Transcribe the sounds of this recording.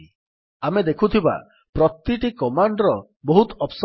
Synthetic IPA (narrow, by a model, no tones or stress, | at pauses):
amed̪ekʰut̪ʰiba̰ | pɾɔt̪ːiʈikɔmaɳɖɾɔ | bɔɦut̪ɔps